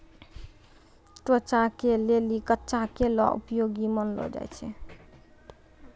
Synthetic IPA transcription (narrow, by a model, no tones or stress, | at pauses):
ʈot͡ʃakelelikətːʃakelɔ̰ʔṵpjoɡimənlɔ̰d͡ʒa̰jt͡ʃʰɛ̰